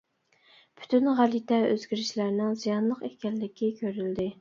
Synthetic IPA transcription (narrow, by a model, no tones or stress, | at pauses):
pʰy̥t̪ʰynʁælit̪ʰɛø̰zɡʲiɾɪʃlæɾnɪŋzijɑnlˠəqekʲɛlːɪkʲikʲʰøɾyld̪ɪ